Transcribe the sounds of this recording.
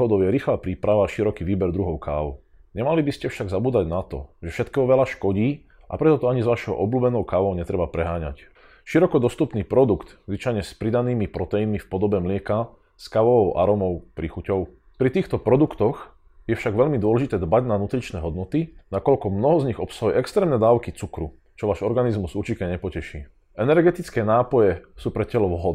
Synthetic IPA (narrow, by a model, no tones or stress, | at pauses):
ɦɔd̪ɔʊjɛɾixlapɾiːpɾaʋaʃiɾɔkiːʋiːbɛɾd̪ɾuɦɔʊkaːʋɔʊ | ɲɛmalibiscɛfʃaɡzabuːd̪aɟnat̪ɔ̰ʒɛfʃɛt̪kɛːɦɔʋɛlaʃkɔɟiː | ʔa̰pɾɛt̪ɔt̪ɔaɲizʋaʃɔʊʔɔbluːbɛnɔʊkaːʋɔʊɲɛt̪ɾɛbapɾɛɦaːɲa̰c | ʃiɾɔkɔd̪ɔst̪upniːpɾɔd̪ukt̪zʋit͡ʃajɲɛspɾid̪aniːmipɾɔt̪ɛjinmifpɔd̪ɔbɛmlɪɛka | skaʋɔʋɔʊʔa̰ɾɔmɔʊpɾixucɔʊ | pɾit̪iːxt̪ɔpɾɔd̪ukt̪ɔx | jɛfʃaɡʋɛʎmid̪ʊɔlɛʒit̪ɛːd̪baɟnanut̪ɾit͡ʃnɛːɦɔd̪nɔt̪inakɔʎkɔmnɔɦɔzɲiɣɔpsaɦujɛɛkst̪ɾɛːmnɛd̪aːʊkit͡sukɾu | t͡ʃɔʋaːʒɔɾɡanizmuzut͡ʃikɛɲɛpɔcɛʃḭː | ʔɛnɛɾɡɛt̪it͡skɛːnaːpɔjɛsuːpɾɛcɛlɔʋɦɔ